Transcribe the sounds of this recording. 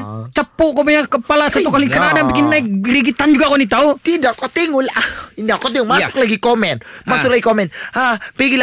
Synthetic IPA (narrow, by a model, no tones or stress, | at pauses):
t͡ʃəpuʔkopaɲakəpalasat̪ukalikənadabikɪnːaik̚ɾiɡit̪and͡ʒuɡakɔnit̪aut̪idaʔkot̪iŋulaʔindakɔt̪iŋumasʊ̥k̚laɡikomɛnmasʊk̚laɡikomɛnapiɡila